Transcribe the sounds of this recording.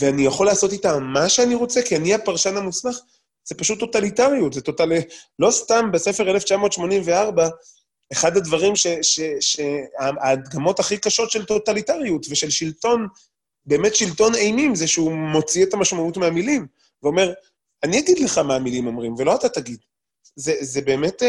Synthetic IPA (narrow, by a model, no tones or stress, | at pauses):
veanijaχo̞laːso̞titamaʃeaniʁo̞t͡se̞kianiapaʁʃanamuslaχ | z̥epaʃut̪ːo̞talitaʁijutzeto̞tallo̞stambese̞fe̞ʁeleft͡ʃamo̞t̪ʃmo̞nimveaʁba | eχadad̪vaʁimʃeʃeʃeaaːd̪ɡamo̞taχikaʃo̞tʃe̞lt̪o̞talitaʁiutveʃe̞lʃilto̞n | be̞ːme̞tʃilto̞nejmimzeʃeumo̞t͡sietamaʃmautmeamilim | veome̞ʁ | aniaɡid̪leχamaːmilimo̞mʁimvelo̞atataɡid̪ | zezebe̞ːmet